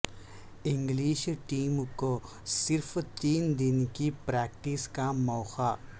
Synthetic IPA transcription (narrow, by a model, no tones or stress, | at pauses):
ɪ̃ŋɡliːʃʈiːmko | sɪɾfʰt̪iːnd̪ɪnkipɾɛːk̚ʈiskamɔːxa